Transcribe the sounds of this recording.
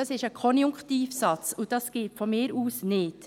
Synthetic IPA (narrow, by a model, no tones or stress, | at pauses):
ɑsɪʃəkʰɔnjʊŋktiːfsɑt͡sʊdɑsɡ̥ɪːtfɔmɪːɾuːsnɪt